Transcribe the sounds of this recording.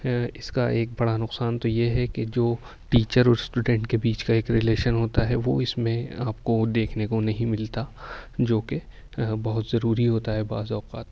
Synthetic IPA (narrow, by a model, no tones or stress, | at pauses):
ɪskaʔeːk̚bɐɽanʊqsaːnt̪ojeɦɛked͡ʒoː | ʈiːt͡ʃəɾɔːɾsʈuːɖɛ̃ɳʈkebiːt͡ʃkaeːkɾɪleːʃənɦoːt̪aɦɛʋo̰ɪsmẽaːpkod̪eːkʰnekonɐɦĩmɪlt̪ad͡ʒoːke | bɐɦʊt̪zɐɾuːɾiɦoːt̪aɦɛba̰ːzɔːqaːt̪